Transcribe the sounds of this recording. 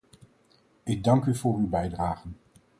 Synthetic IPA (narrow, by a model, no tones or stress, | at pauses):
ɪɡ̚dɑŋkyvʊːrywbɛjdraːχən